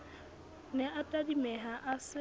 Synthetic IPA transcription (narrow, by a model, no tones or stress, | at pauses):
nɛʔatʼadimɛɦaʔasɪ